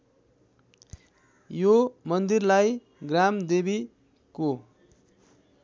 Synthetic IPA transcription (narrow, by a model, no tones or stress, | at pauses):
jomʌnd̪irlaj | ɡramd̪ebi | ko